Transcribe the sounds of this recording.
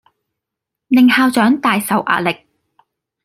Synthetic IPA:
nɪ˨ŋhaː˧wt͡ʃœː˨˥ŋt̪aː˨jsɐ˨wʔa̰ː˧t̚lɪ˨k̚

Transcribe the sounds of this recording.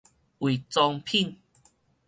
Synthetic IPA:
wi˨˩t͡sɔ˧ŋpʰi˥˨n

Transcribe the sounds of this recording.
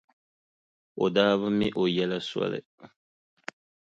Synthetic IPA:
o˨daː˦βɨ˦mi˦ʔo˨jɛ˦la˦swɔ̰˦lɨ̰˨

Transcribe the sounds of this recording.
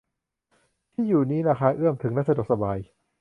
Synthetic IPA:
t̪ʰiː˥˩juː˨˩niː˦˥la˧˩kʰa˦˥˩ʔɯ˥˩əmt̪ʰɯ˩˦ŋnaː˦˥ksa˧do˨˩k̚sa˧baː˧j

